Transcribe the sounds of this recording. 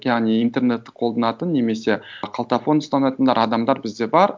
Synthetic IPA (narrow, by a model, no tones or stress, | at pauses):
jɑʁnijint̪e̞rne̞t̪ːɪ̥qʰo̞lˠd̪ɑnɑt̪ənːe̞me̞se̞qʰɑlˠt̪afo̞nʊst̪ɑnɑt̪ənd̪ɑ̰ɾɑd̪ɑmd̪ɑɾbɪzd̪e̞bɑɾ